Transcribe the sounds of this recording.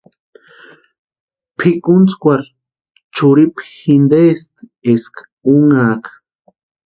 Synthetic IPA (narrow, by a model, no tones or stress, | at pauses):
pʰikunt͡skʷaɾ | t͡ʃuɾipxind̪est̪esk | uŋaːkḁ